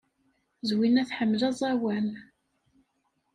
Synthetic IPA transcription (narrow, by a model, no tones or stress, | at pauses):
zwinæθħəmːlæzˤɑwæn